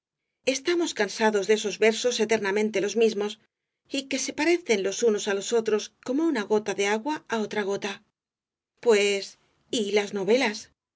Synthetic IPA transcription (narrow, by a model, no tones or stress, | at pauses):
e̞st̪amo̞skansaðo̞zðeso̞zβe̞ɾso̞se̞t̪e̞ɾnamẽ̞nt̪e̞lo̞zmizmo̞s | ike̞se̞paɾe̞θe̞nlo̞suno̞salo̞so̞t̪ɾo̞sko̞mo̞unaɣo̞t̪aðe̞aɣwaao̞t̪ɾaɣ̞o̞t̪a | pwe̞s | ilazno̞βe̞las